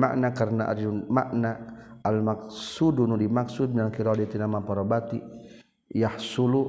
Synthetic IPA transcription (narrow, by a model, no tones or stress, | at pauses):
ma̰ʔnakaɾənaʔa̰dima̰ʔnaalmak̚sudunudimaksud̪̚nalkiɾɔdit̪inamapaɾɔbat̪i | jahsulu